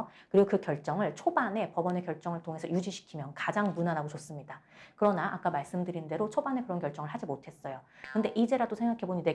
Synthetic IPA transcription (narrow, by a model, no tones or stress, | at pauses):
kɯɾiɡokɯkjʌɭt͡ɕ͈ʌŋɯɭt͡ɕʰobane̞pʌbʌne̞kjʌɭt͡ɕ͈ʌŋɯɭtʰoŋe̞sʰʌjud͡ʑiɕʰi̥kʰimjʌnkad͡ʑaŋmunanaɡot͡ɕos͈ɯmɲida | kɯɾʌnaʔak͈amaɭs͈ɯmdɯɾinde̞ɾot͡ɕʰobane̞kɯɾʌnkjʌɭt͡ɕ͈ʌŋɯɭɦad͡ʑimotʰe̞s͈ʌjokɯnde̞ʔid͡ʑe̞ɾadosʰe̞ŋɡakʰe̞boɲide